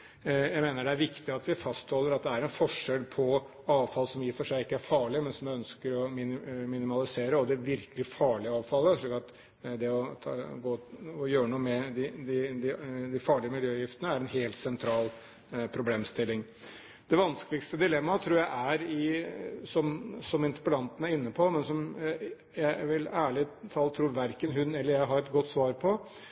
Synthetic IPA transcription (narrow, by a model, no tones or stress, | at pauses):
jæɪmeːnəɖɛæɾʋɪkt̪ɪɑt̪ʋɪfɑst̪hɔlːəɾɑt̪̚d̪ɛæɾɛnfɔʂɛlpʰɔ | ɑːʋfɑlsɔmjɪfɔʂæɪɪkːəæɾfɑːɭɪəmɛnsɔmœnskəɾɔmɪnmɪnɪmɑlɪseːɾəɔd̪ɛʋɪɾkəlɪfɑːɭɪəɑːʋfɑləʂlɭiːkɑt̪ | d̪ɛɔt̪ʰɡoːɔjøːɾənuːəmɛd̪ɪd̪ɪd̪ɪd̪ɪfɑːɭɪəmɪljøːjɪft̪ənəæɾɛnɦeːlt̪sɛnt̪ʰɾɑːl | pʰɾʊbleːmst̪ɪlːɪŋ | d̪̥ɛʋɑnskəlɪkst̪əd̪ɪlɛmːɑt̪ʰɾuːɾjæɪʔæɾɪsɔmsɔmɪnt̪ə̥pəlɑnt̪ən̩æɾɪnːəpʰɔmɛnsɔm | jæɪʋɪlæːɭɪt̪ʰɑːlːət̪ʰɾuːɾʋæɾkənɦʉnɛlːəɾjæɪɦɑɾɛt̪ɡɔt̪ːsʋɑːɾpʰɔ